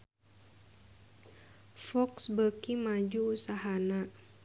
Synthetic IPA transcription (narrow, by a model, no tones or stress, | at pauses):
fɔksbəkimad͡ʒuːsaɦana